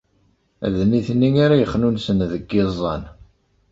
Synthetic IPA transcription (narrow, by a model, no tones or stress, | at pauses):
ðnːiθnːiŋaɾajəχːnunsənðəɡːɪzˤːɑ̰n